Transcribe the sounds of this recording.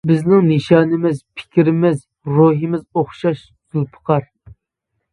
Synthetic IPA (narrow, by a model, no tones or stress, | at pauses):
bɪznɪŋnɨʃɑːnɪmɪzpʰɪ̥kʲʰiɾɪmɪz | ɾuɦɪmɪzoχʃɑʃ | z̥ulˠpʰə̥qʰɑɾ